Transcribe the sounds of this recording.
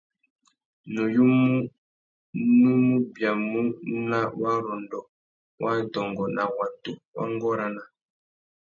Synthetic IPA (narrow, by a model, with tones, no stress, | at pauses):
nu˨ju˦mu˦ | nu˦mu˦bja˨mu˦na˦wa˦ɾɔ˨ndɔ˨ | wʔa˦n̩˨tɔ˨ŋɡɔ˨na˨wa˨tu˨wa̰˦ŋ˦ɡɔ˦ɾa˦na˦